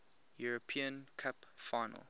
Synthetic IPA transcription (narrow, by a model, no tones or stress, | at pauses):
juɹəpʰĩə̃nkʰapfaɪnə̰lˠ